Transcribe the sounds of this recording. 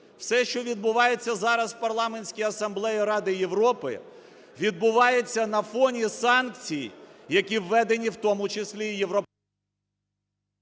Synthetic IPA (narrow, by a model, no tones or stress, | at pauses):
wsɛʃt͡ʃɔʋʲid̪̚bʊʋɑjet͡sʲːɐzɑɾɐzpɐrlˠɑmenʲsʲkʲiɐsɐmblˠɛjiɾɑd̪ɪjeʋɾɔpɪ̰ | ʋʲid̪̚bʊʋɑjet͡sʲːɐnɐfɔnʲisɑnkt͡sʲijjɐkʲiwːɛd̪enʲiwt̪ɔmʊt͡ʃesʲlʲijeʋɾɔ